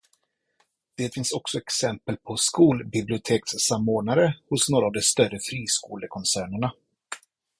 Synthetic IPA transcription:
d̪̥ɛːt̪fɪnsɔksɔɛksɛmpəlpʰɔskuːlbɪblɪʊt̪ʰeːkssamːoːnaɾəhʊsnoːɾaːvd̪ɔst̪œrəfɾiːskuːləkʰɔnsæːɳəɳa

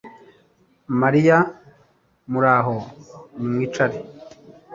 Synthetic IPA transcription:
maɾija | muɾaːɦonimwiːt͡ʃaɾi

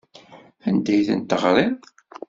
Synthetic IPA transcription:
ænd̪æjθə̰nt̪əʁɾˤið

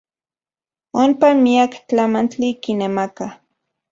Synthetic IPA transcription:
onpamiakt͡ɬamant͡ɬikinemaka

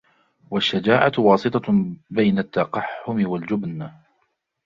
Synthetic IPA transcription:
waʃːad͡ʒaːʕawɑːsɨt̪ˤɑbajnat̪ːɑqɑħːʊmɪwald͡ʒʊbn

